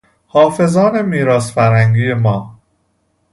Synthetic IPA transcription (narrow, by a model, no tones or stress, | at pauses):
hɒːfe̞zɒːne̞miːɾɒːsfæɾhæŋɡiːjemɒː